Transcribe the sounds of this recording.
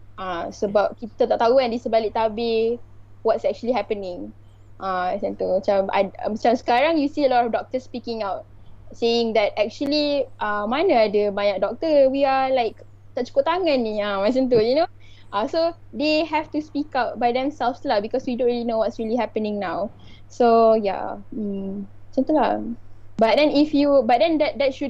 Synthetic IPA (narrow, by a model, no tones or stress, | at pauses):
ʔasəbap̚kit̪at̪aʔt̪auɛ̃ndesəbalɪk̚t̪abe | wɔtsɛk̚t͡ʃuəliɦɛpənɪ̃ŋ | ʔamat͡ʃãnt̪umat͡ʃama̰mat͡ʃamsə̥kaɾaŋjusiəlɔtɔfdɔk̚t̪əspikɪ̃ŋawt̚ | sejɪŋd̪ɛt̚ɛk̚t͡ʃuəliʔamanəadəbaɲak̚dɔk̚t̪əwialaɪk | t̪aʔt͡ʃu̥kut̪aŋãnːiãmat͡ʃant̪̬ujuno | ʔaso | deɦɛftuspikawt̚bajdɛ̃msɛlfslabikɔswidõnɹilinowɔtsɹiliɦɛpənɪ̃ŋnawsoja̰ | mat͡ʃãnt̪ula̰ | bat̚dɛ̃nifjubat̚dɛ̃ndɛt̚dɛt̚ʃu